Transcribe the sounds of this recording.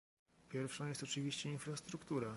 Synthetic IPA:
pʲjɛɾfʂɔ̃jɛst̪ɔt͡ʂɘvʲiɕt͡ɕɛinfɾast̪ɾukt̪uɾa

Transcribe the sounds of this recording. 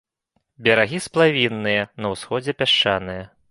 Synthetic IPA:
bʲɐɾaɣʲisplˠavʲinːɨjɐnɐwsxɔd͡zʲɛpʲaʂt͡ʂanɨjɐ

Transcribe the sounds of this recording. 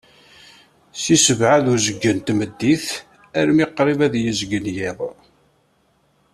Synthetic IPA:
sisəvʕaðʊɾzəɡːənt̪məd̪ːiθ | æɾmiqɾˤivæðjəzɡənjiðˤ

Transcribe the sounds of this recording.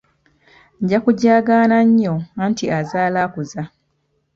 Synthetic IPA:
ɲɟakuɟaːɡaːnaɲːoaːntiazaːlaːkuza

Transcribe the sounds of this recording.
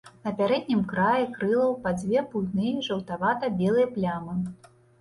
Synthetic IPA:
nɐpʲaɾɛd̪ʲnʲimkɾajikɾɨlˠɐwpad͡zʲvʲɛpult̪nɨjʐɐwt̪avat̪ɐbʲɛlˠɨjɐplʲamɨ

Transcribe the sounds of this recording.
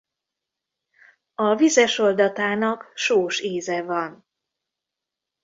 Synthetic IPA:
ɒvizɛʃo̞ld̪ɒt̪aːnɒkʃoːʃeːzɛvɒn

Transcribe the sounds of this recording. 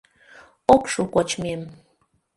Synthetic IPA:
okʃukot͡ɕmem

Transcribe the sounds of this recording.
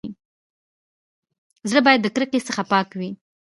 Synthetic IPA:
zɽəbɑjad̪ːəkɾəkesəxapɑkwi

